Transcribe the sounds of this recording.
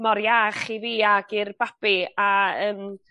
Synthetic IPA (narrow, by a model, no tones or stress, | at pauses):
mɔɾjaχiviːaɡɪrb̥apiaəːm